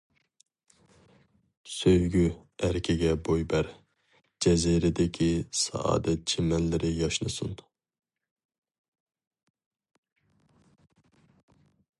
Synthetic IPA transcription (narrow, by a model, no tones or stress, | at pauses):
søjɡʲyæɾkʲʰiɡʲɛbojbɛɾ | d͡ʒɛziɾɪd̪ɪkʲʰisɑ̰ɑ̰ːd̪ɛt̪̚d͡ʒʰemɛnlːɪɾɪjɑʃnɨsun